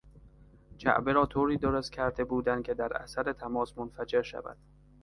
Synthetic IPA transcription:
t͡ʃʰæ̰ʔbeɾɒːt̪ʰoːɾiːd̪oɾost̪̚cʲʰæɾd̪e̞buːd̪ænd̪̚cʰe̞d̪æɾʔæ̰sæɾe̞t̪ʰæmɒːsmonfæd͡ʒe̞ɾʃæ̰væ̰d̪̥

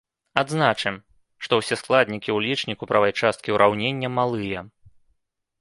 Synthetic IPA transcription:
ad̪znat͡ʂɨm | ʂt̪ɔwsʲɛsklˠad̪ʲnʲikʲiwlʲit͡ʂnʲikupɾɐvajt͡ʂast̪̚kʲiwɾʔawnʲenʲːɐmalˠɨjɐ

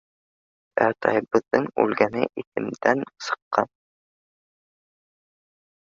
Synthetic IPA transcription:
æ̰t̪ʰɑ̰jɤbɤ̆ðːɤɴʉ̰lɡænɘ̰ʔit̪ɘ̰̆md̪ænsɤ̥̆qːɑn

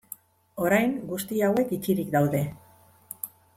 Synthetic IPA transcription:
o̞ɾajŋɡust̪iawe̞kit͡ʃiɾikd̪awðe̞

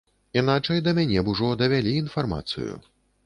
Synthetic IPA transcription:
inat͡ʂɐjd̪ɐmʲanʲɛbuʐɔd̪ɐvʲalʲiːnfarma̰t̪sɨ̰jṵ

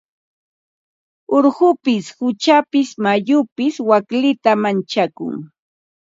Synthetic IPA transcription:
oɾɢʊpɪshʊt͡ʃapɪsmajʊpɪswaklɪt̪amant͡ʃakʊ̰ŋ

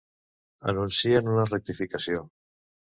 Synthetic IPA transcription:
ə̰nunsianunarek̚t̪ifikasio

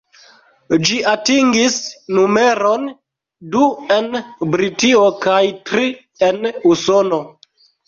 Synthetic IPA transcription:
d͡ʒiʔatiŋɡisnume̞ɾo̞n | due̞nbɾitio̞kajtɾi | e̞nusono

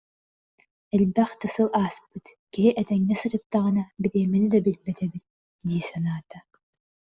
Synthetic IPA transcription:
ɛlbɛχt̪ɯsɯlˠaːspɯt̪kiɦiʔɛt̪ɛŋːɛsɯɾɯt̪ːaʁɯnabiɾiɛminid̪ɐbilbɛt̪ɛbit̪̚ | d̪iːsanaːt̪a

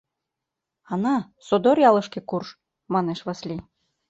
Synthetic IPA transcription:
ɑnɑ | sod̪orjɑlɤ̆ʃkĕkurʃ | mɑneʃβɤslʲi

